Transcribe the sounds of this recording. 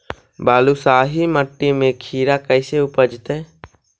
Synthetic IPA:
baːlusaːɦiməʈːimẽkʰiːɾakəɪseʊpəd͡ʒt̪ɛː

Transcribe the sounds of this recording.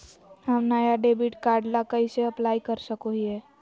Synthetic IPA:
ɦəmnaːjaɖeːbiʈkaːɾɖlakɐiseɐplaːikɐɾsəkoɦiɛː

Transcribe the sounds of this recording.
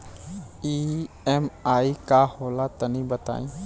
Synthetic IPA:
iː | ɛmaːikahoːlat̪ənĩbət̪a̰ːĩː

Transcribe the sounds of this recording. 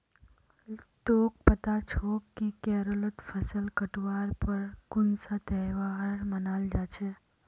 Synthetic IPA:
t̪oːk̚pət̪at͡ʃʰokkːikɛːɾolət̪fʰəsəlkəʈʋaːɾpəɾkʊnsat̪ɛʋaɾmənaːld͡ʒaːt͡ʃʰe

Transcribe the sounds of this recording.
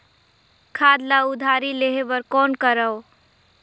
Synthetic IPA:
kʰaːd̪laud̪ʱaɾileɦebəɾkɔːnkəɾəo

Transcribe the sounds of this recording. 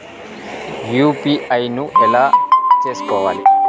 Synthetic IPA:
juːpiʔɐjnuɛlaːt͡ʃeːsu̥kɔːʋaːli

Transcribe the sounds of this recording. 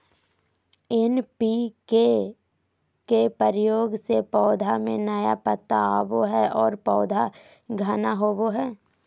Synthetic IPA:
ɪnpike | kepəɾɪjoːɡsepɔːd̪ʱamẽnəjapət̪ːaaboɦɛʔɔːɾpɔːd̪ʱa | ɡʱənaɦoːboɦɛː

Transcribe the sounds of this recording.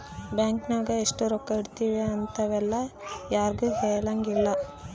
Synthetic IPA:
bjaːŋknɐɡɐeʂʈuɾɔkːɐiɽt̪iːʋeɐnt̪ɐʋɛlːɐjaːɾɡuːɦeːlɐŋɡilːɐ

